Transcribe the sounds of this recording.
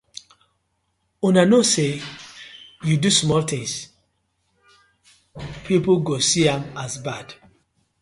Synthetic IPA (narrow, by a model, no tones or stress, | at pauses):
ũnanose | judusmɔlt̪ɪ̃ŋs | pʰip̩ɡosiãmazbad̥